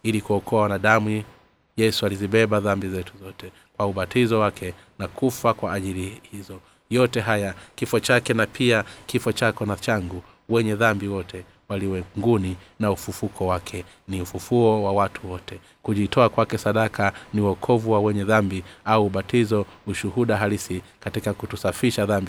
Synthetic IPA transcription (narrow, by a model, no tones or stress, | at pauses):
ilikuɔkʰɔawanaɗamu | jɛsualiziɓɛɓaðambizɛtuzɔtɛ | kwauɓatizɔwakʰɛ | nakʰufakwaːʄilihizɔ | jɔtɛɦajakifɔt͡ʃakɛnapʰiakifɔt͡ʃakɔnat͡ʃaŋɡu | wɛɲɛðambiwɔtʰɛ | waliwɛŋɡuninaufufukʰɔwakʰɛ | niufufuɔwawatʰuwɔtɛ | kuʄitʰɔakwakɛsaɗakʰaniwɔkʰɔvuwawɛɲɛðambiauːɓatizɔuʃuhuɗaɦalisikatikakutusafiʃaðambi